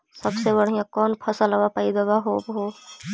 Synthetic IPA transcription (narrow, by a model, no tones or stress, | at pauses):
səbsebəɽ̤ijãkɔːnpʰɐsəlaʋapaid̪əɡaɦoːbɦoː